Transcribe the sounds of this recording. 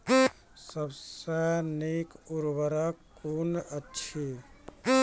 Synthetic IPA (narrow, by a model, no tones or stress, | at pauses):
səbsənekuɾbəɾakunətːt͡ʃʰi